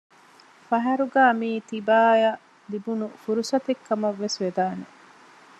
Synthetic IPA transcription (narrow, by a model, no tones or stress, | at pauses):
fɐɦɐɾuɡaːmiːt̪ibaːjɐ | libunufuɾusɐt̪ekːɐmɐʋːesʋed̪aːne